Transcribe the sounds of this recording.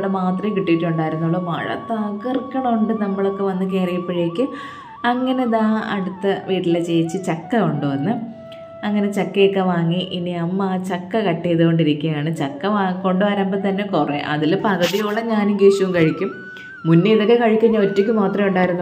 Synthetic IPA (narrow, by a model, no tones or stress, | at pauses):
ɽemaːt̪rɐkiʈːijitːuɳɖaːjiɾunːuɭːɐmɐ̰ɻɐ̰t̪ːaːkːɐrkːɐɳɐuɳɖɨnɐmːɐɭo̞kːeʋɐnːɨkeːrɐjipːɐɻikʲːɨ | ɐŋːɐne̞ðaːɐ̰ɽut̪ːɐʋiːɾilɐt͡ɕejt͡ɕːɨt͡ɕɐkːɐoɳɖɨʋɐnːɨ | ɐŋːɐne̞t͡ɕɐkːekːɐʋaːŋːiʔiniɐmːaːt͡ɕɐkːɐkɐʈːijɐðɨko̞ɳɖiɾikʲːɐjaːɳɨt͡ɕɐkːɐʋaːko̞ɳɖɨʋɐɾɐmbɐt̪ɐnːe̞kureʔɐ̰ðilpɐd̪ʱɐðijoːɭːɐɲaːnuɡeːɕuʋumkɐɻikʲːumː | unːejiðokːekɐɻikʲːuɲːɐotːikʲːumaːt̪rɐmuɳɖaːjiɾunː